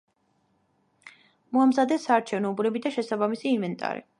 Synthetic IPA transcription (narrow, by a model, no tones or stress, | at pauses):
mɔamzad̪ɛsːaːɾt͡ʃʰɛvnɔbɾɛbid̪aʃɛsabamisiːnvɛnt̪ʼa̰ɾḭ